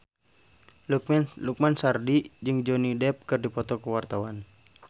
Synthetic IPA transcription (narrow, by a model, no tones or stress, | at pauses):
luk̚mɛnluk̚mansardid͡ʒɨŋd͡ʒɔnidɛp̚kɨrdipɔt̪ɔkuwart̪awan